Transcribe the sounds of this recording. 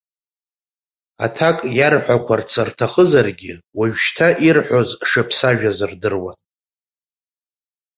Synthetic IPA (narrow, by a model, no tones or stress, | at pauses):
a̰tʰakʼjarħʷakʷʰart͡sʰartʰaχəzarɡʲɪwaɥʃtʰaʔirħʷᶣozʂɨpʰsaʒᶣazɨrdɨrwa̰n